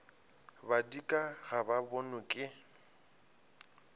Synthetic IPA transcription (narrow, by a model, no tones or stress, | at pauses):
badikʼaɣababɔnʊkʼɪ